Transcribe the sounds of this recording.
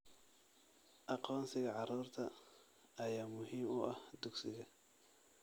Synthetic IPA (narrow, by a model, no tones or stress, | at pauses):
ʔɑqɔːnsɪɣɐʕɑɾuːrt̪ʰɐː | jaːmʊɦiːmʊʔɐhd̪ʊɡsɪɣɐ